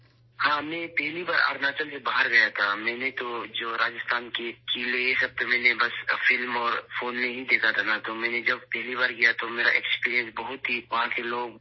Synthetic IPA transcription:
hãːmɛ̃ːpɛɦlibaːɾa̰ːɾnaːt͡ʃəlsebaːɦəɾɡɐjat̪ʰamɛ̃ːnet̪od͡ʒoːɾaːd͡ʒɪst̪aːnkekiːlejesɐb̚t̪omɛ̃ːnebɐsfɪlmɔːɾfoːnmẽɦid̪eːkʰat̪ʰanat̪omɛ̃ːned͡ʒɐb̚pɛɦlibaːɾkijat̪omeːɾa̰ʔɛkspiːɾijə̃nsbɐɦʊt̪ɦiʋɐɦãkeloːɡ̚

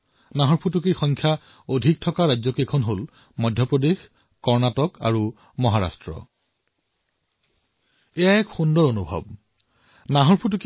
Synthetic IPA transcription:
naɦɔɹpʰutukexɔŋkʰja | odʱik̚tʰɔkaɹad͡ʑzɔkekʰɔnɦol | mɔjdʱjɔpɹodex | kɔɹnatɔka̰ɹu | mɔɦaɹa̰stɹɔ̰ | ɛjaɛkxundɔɹonubʱɔ̰b̚ | naɦɔɹpʰutuk

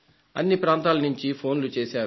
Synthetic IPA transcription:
ɐ̰nːipɾaːnt̪aːlɐnuɲt͡ʃipʰo̞ːnlut͡ʃeːʃaːɾu

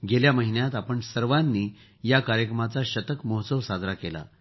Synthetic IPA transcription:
ɡeljaməɦinjat̪apəɳsəɾʋanːiː | jakaɾjəkɾəmat͡saɕət̪əkmɔɦt͡səʋsad͡z̪ʱɾakela̰

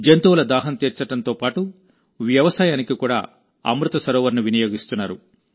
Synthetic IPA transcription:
d͡ʒent̪uːlɐd̪aːɦɐnt̪iːɾt͡ʃɐɽɐnt̪o̞ːpaːʈu | ʋjɐʋɐsaːjaːnikikuːɽa̰ː | ɐ̰mɾut̪ɐsɐɾɔːʋɐɾnuʋinɐjoːɡist̪unːaːɾu

